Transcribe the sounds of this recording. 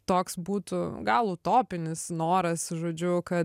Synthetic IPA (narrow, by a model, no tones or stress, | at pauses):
t̪oːksbuːt̪ʊɡɑːlˠuːt̪oːpʲɪnʲɪsnoːɾɐsʒoːd͡ʒʲʊkɐ